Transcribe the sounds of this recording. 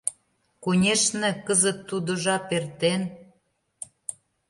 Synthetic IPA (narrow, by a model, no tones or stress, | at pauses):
kunʲeʃnĕkəzə̆t̪ːud̪ŏʒɑpert̪en